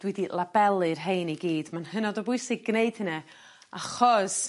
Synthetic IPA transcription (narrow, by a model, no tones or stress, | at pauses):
d̥widilˠabɛlˠɨrɦejniɡiːd̥manhənɔdɔbʊɨsɪɡːneɨd̥hɪna | aχɔs